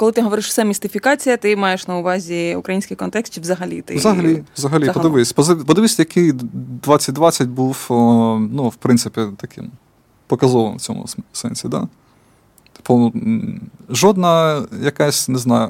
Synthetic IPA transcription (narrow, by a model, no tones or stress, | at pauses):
kɔlˠɪt̪ɪɦɔʋɔɾɪʃsɛmʲist̪ɪfʲikɑt͡sʲijɐt̪ɪmɑjeʃnɐʊʋɑzʲiʊ̰kɾɐjinʲsʲkɪjkɔnt̪ɛkst̪t͡ʃɪʋzɐɦɐlʲḭt̪ɪ̰zɐɦɐlʲiʋzɐɦɐlʲipɔd̪ɪʋɪsʲpɔzɪpɔd̪ɪʋɪsʲɐjɐkʰɪjd̪ʋɑt͡sʲːɐt̚ʲd̪ʋɑt͡sʲːɐtʲbuw | nuwpɾɪnt̪sɪpʲit̪ɐkʰɪ̰m | pɔkɐzɔʋnwt͡sʲɔ̰mʊ̰sɛ̰nʲsʲid̪ɑ̰ | t̪ɪ̥pʊ | ʒɔd̪nɐjɐkɑsʲneznɑjʊ